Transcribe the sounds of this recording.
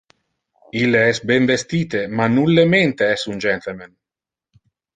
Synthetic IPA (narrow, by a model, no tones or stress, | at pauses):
ilːeɛsbɛɱvest̪iːt̪emanːulːement̪eɛsund͡ʒɛnt̪elmen